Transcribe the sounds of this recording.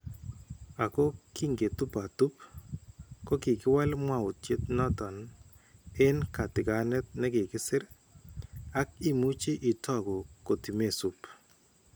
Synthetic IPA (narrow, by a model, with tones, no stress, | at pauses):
a˨kɔ˦ki˦ŋɡe˨tu˦pa˨tu˦p | kɔ˦kɪ˨kɪ˦wa˦lmwa˨ʊ˨tje˦t̪nɔ˦tɔ˨n | ɪ˦nka˨tɪ˨ɡa˨nɛ˦t̪̚nɛ˦kɪ˨kɪ˦sɪ˦ɾ | a˦k̚i˦mu˦t͡ʃe˦ʔɪ˨tɔ˦˨ɡɔ˨ko˨ti˨me˦˨su˨p